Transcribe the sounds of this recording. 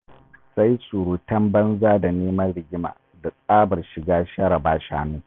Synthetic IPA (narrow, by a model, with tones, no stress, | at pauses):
sa˦jsʼu˨ɾuː˨˦tɐ˦mbɐ˦nzaː˦da˨neː˦mɐ˦nɽɪ˨ɡʲɪ˦ma̰ː˨ | da˨kʼaː˦bɐ˨rʃɪ˨ɡaː˦ʃɐ˦ɾɐ˨baː˦ʃaː˦mu˦ŋ